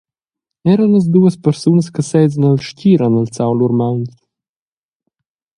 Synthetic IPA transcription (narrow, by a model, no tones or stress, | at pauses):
ɛɾənləz̬d̪uəspəɾsunəskəsɛjzənəlʃciːɾanəlt͡sawluɾmawnt̪